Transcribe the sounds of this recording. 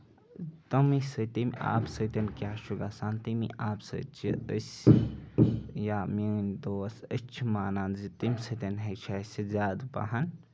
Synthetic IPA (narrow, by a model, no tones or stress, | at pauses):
t̪ɐmisət̪imʲa̰ːpsət̪ɐnkʲjaːʃuɡaːsaːnt̪imḭʔaːpsə̰t͡ʃʰiəsʲ | jaːmind̪oːsət͡ʃʰimaːnaːnzit̪imsɐt̪ʲɐnɦet͡ʃʰaːsizʲaːd̪pa̰ɦan